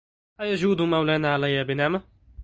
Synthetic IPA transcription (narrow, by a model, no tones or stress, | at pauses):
ʔajad͡ʒuːd̪ʊmawlaːnaːʕalajːaːbɪnama